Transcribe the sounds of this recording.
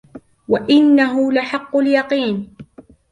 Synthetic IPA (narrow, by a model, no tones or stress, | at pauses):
waʔɪnːaɦʊlaħɑqːʊljɑqiːn